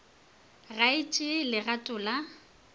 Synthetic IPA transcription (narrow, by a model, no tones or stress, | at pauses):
raɪt͡ʃʼɪlɪɣatʼʊːla